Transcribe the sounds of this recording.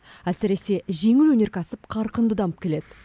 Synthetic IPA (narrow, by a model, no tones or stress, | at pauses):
æsɪɾe̞se̞ʒe̞ŋɪlwɵne̞ɾkʲʰɑsɪp̚qʰɑɾqənd̪əd̪ɑməpkʲe̞le̞d̪ɪ